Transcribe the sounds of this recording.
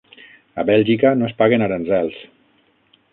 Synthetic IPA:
a̰βɛlʒikanoespaɣenaɾanzɛlˠs

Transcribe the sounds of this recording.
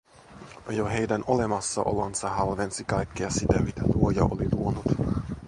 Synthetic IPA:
joɦe̞jdæno̞lemɑsːɑ̰ʔo̞̰lonsɑhɑlʋensikɑjkːiɑsit̪æmit̪æluojɑ̰ʔo̰liluonut̪

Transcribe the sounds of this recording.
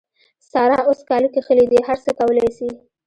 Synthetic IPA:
sɑɾɑoskɑlukexəlid̪iɦaɾsəkawəlɑjsi

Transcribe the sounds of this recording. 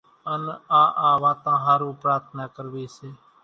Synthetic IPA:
ənaːʔaːʋaːt̪ãːɦaːɾũːpɾaːt̪ʰnaːkəɾʋeːseː

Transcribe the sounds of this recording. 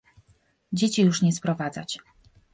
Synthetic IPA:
d͡ʑet͡ɕijuʂɲɛspɾɔvad̪zat͡ɕ

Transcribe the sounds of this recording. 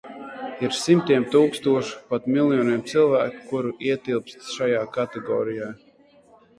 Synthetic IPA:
iɾsimt̪iɛmt̪uːkst̪uɔʃu̥pat̪milˠjɔniɛmt̪silˠvæːku̥kuɾuiɛt̪ilˠpst̪ʃajaːkat̪ɛɡɔ̰ːɾijaː

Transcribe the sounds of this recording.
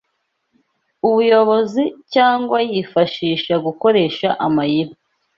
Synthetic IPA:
uβujo̞βo̞zicaːŋɡwajifaʃiːʃaɡuko̞ɾe̞ːʃaʔamajiba

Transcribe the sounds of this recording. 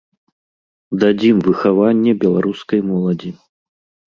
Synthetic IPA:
d̪ad͡zʲimvɨxavanʲːɛbʲɛlˠaɾuskɐjmɔlˠɐd͡zʲi

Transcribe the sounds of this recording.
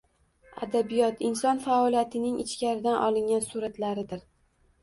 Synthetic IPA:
a̰d̪abijɒt̪ʰɪnsɒnfaɒlijat̪ʰɪnɪŋɪt͡ʃkʲaɾɪd̪anʔɒlˠɪŋʲansuɾat̪laɾɪd̪ɪɾ

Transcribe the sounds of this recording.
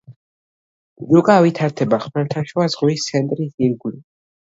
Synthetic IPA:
zukʼavit̪ʰaɾt̪ʰɛbaχmɛɾt̪ʰaʃuazʁwist̪sʰɛnt̪ʼɾisiɾɡli

